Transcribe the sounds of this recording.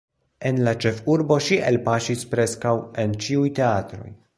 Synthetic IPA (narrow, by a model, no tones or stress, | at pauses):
e̞nlat͡ʃe̞fuɾbo̞ʃiʔḛlpaʃispɾe̞skawe̞nt͡ʃiujte̞atɾo̞̰j